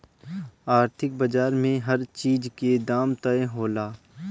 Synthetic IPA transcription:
aːɾt̪ʰɪkbəd͡ʒaːɾmẽɦɐɾt͡ʃiːd͡ʒked̪aːmt̪əẽɦoːlaː

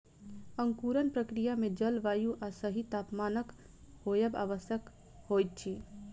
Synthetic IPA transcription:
əŋkuɾənpɾəkɾijamed͡ʒəlʋajuʔasəɦit̪apmanək | hojəba̰ʋəsjək | hojt̪̚t͡ʃʰi

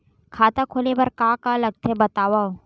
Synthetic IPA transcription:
kʰaːt̪akʰoːlebɐɾkaːkalɐɡ̚t̪ʰebɐt̪aːwao

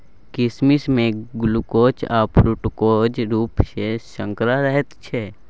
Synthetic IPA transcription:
kɪsmismẽɡʊlukoːt͡ʃaːpɾuʈkod͡ʒɾuːpʃeʃə̃ŋkɾaɾɛɦɛt̪t͡ʃʰɛ

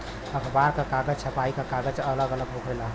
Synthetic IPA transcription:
əkʰbaɾkəkaɡəd͡ʒt͡ʃʰəpaikəkaɡəd͡ʒələɡələɡɦokʰɾelaɦ

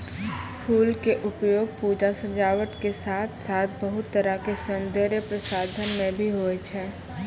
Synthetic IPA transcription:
pʰuːlkeʔʊpjoːɡ̚puːd͡ʒasəd͡ʒaːwəʈkesaːt̪ʰsaːt̪̚ʰbəɦʊt̪ːəɾakesʊ̃nd̪ʱeɾjəpɾəsaːd̪ʱənmẽbʱiɦoːet͡ʃʰɛː

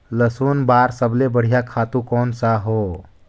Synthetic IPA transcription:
ləsunbaːɾsəblebəɽ̤ijakʰat̪ukɔːnsaɦo

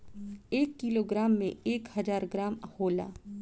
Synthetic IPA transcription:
eːkːɪloːɡɾaːmːḛ̃eːkhɐzaːɾɡɾaːmhoːla̰ː

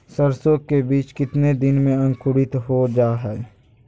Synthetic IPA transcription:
səɾsoːkːebiːt͡ʃkɪt̪ned̪ɪnmẽɐ̃ŋkʰʊɽɪt̪ɦod͡ʒaːɦɛː

